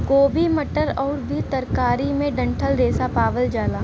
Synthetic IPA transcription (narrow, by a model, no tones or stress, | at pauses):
koːbʱimɐʈəɾɔːɾbʱit̪ɐɾkaːɾimẽɖɐ̃ɳʈʰəlɾeːsapaːʋəld͡ʒaːlaː